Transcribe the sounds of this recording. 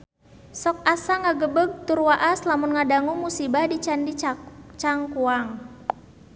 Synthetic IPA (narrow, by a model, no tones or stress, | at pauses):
sɔk̚asaŋaɡəbəɡ̚t̪urwaʔaslamunŋadaŋuŋmusibahdit͡ʃandit͡ʃt͡ʃaŋkuaŋ